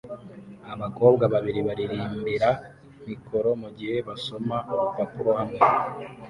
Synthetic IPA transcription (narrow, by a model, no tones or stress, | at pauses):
aβako̞ːbɡaβaβiɾiβaɾiɾiːmbiɾa | mikʰo̞ɾo̞muɟihe̞βaso̞mapapuɾohamŋe